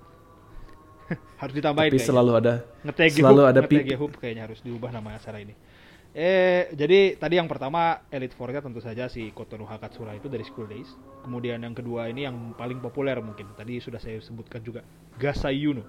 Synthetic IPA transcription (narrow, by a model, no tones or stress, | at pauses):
haɾʊsdit̪ambaikaəlaluada | ŋət̪esɡelaluadaŋət̪eɡeɦʊp̚kajaɲaɦaɾʊsdiubahnamaasaɾaini | ɛd͡ʒadit̪adijaŋpərt̪amaelit̪forɲat̪ənt̪usad͡ʒasikot̪onuɦakat̪̚suɾait̪udaɾisə̥kuldejs | kəmudianjaŋkəduainijaŋpalɪŋpopulɛrmuŋkɪnt̪adisudahsajasəbʊt̪̚kand͡ʒuɡa | ɡasaijunu